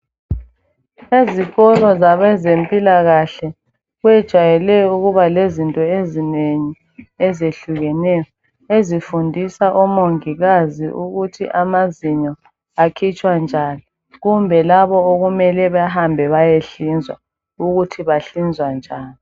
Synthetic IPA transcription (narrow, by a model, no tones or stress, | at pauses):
eziɣɔlɔzaβɛzempʼilaɣaɬɛ | ɣwɛd̥ʒ̥ʱwajɛlɛuɣuβalezintʼɔezineɲi | ɛzeɬuɣɛnɛjɔ | ezifundʱisaʔɔmoŋiɣaziʔuɣutʰḭʔamaziɲɔ | akʰit͡ʃʼwand͡ʒʱaːni | ɣumbʱɛlaβɔoɣumɛlɛβaɦambʱɛβajeɬind͡zʱwa̰ | uɣutʰiβaɬind͡zʱwand͡ʒʱaːni